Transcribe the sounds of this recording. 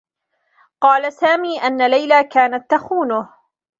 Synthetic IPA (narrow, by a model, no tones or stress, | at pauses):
qɑːlasaːmiːʔanːalajlaːkaːnat̪ːaxuːnʊh